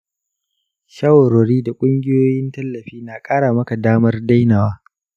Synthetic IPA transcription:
ʃɐ˦wɾoː˨ɽiː˦da˨kʷʼʊ˦ŋɡʲɪ˦joː˦jɪ˦ntɐ˦lːɐ˨ɸiː˦naː˨kʼaː˦ɽaː˨mɐ˦ka˨daː˦mɐ˦rda˦jnaː˨waː˦

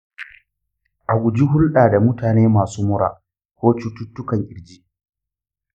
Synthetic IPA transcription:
ʔa˨ɡʷʊ˨d͡ʒi˦ɦʊ˦lɗaː˨da˨mʊ˦taː˨neː˦maː˨suː˦mʊ˦ɽa̰ː˨ | kʷoː˦t͡ʃʊ˦tːʊ˦tːʊ˦kɐ˨ŋʔʲɪ˨ɽd͡ʒiː˦ʔ

